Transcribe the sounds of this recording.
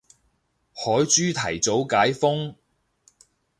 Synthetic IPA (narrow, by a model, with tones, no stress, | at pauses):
hɔː˨˥jt͡ʃyː˥t̪ʰɐ˨˩jt͡so˨˥wkaː˨˥jfʊ˥ŋ